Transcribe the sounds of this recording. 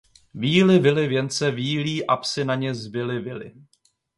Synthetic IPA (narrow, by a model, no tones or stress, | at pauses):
viːlɪvɪlɪvjɛnt͡sɛviːliːʔapsɪnaɲɛzbɪlɪvɪlɪ̰